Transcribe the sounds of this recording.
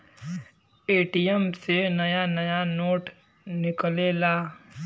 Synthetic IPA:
eːʈijɛmsenɐjanɐjanoːʈ | nɪkleːlaː

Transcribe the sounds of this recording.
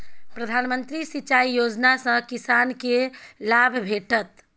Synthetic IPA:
pɾəd̪ʱanmənt̪ɾisit͡ʃaijod͡ʒnasə̃kisankelabʱbʱeʈət̪

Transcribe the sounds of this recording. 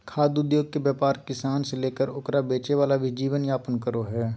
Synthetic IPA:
kʰaːd̪ʊd̪joːɡ̚kebjaːpaːɾkɪsaːnseleːkəɾʊkɾabeːt͡ʃeʋaːlabʱid͡ʒiːʋənjaːpənkəɾoɦɛː

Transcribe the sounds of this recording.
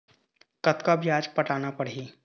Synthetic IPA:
kɐt̪kabjaːd͡ʒpɐʈaːnapɐɽiː

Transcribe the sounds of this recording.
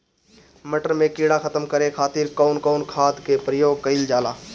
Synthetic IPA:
məʈəɾmẽkiːɽaxʰət̪əmkəɾekʰaːt̪iɾkaʊnkɔːnkʰaːt̪kepɾəjoːɡ̚kəɪld͡ʒaːlaː

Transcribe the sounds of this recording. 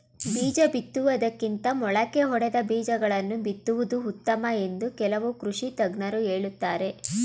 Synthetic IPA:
biːd͡ʒɐbit̪ːuʋɐd̪ɐkːint̪ɐmɔɭɐkeɦɔɽɛd̪ɐbiːd͡ʒɐɡɐɭɐnːubit̪ːuʋud̪uut̪ːɐmɐe̞nd̪ukɛlɐʋukɾuʂit̪ɐɡnɐɾuɦeːɭut̪ːaːɾe̞

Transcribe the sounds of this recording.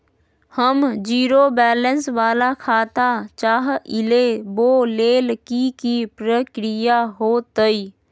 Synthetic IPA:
həmd͡ʒiːɾobɛːlənsʋaːlakʰaːt̪at͡ʃaːɦɪleboːleːlkikipɾəkɾɪjaɦoːt̪əi

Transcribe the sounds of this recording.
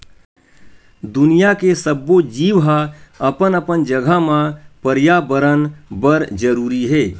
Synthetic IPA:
d̪ʊnijakesəbːod͡ʒiːʋɦaəpənəpənd͡ʒəɡʱəmãpəɾjabəɾənbəɾd͡ʒəɾuːɾiɦɛː

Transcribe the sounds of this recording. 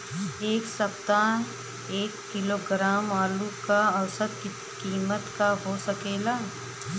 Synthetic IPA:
eːksɐpt̪a | eːkːɪloːɡɾaːmaːlukaɐwsət̪ | kiːmət̪kaɦoːsɐkeːlaː

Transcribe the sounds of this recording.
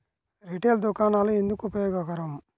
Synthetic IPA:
ɾiʈeːld̪ukaːnaːluend̪ukuupɐjɔːɡɐkɐɾɐm

